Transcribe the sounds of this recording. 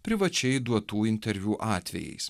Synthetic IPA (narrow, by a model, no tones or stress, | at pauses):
pʲɾʲɪʋɐt͡ʃʲɛɪd̪uɔt̪uːɪnʲt̪ʲɛɾʲʋʲuːʔɑːt̪ʲʋʲɛ̰jɛ̰ɪs